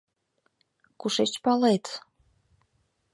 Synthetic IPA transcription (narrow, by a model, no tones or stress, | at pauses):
kuʃet͡ɕpɑlet̪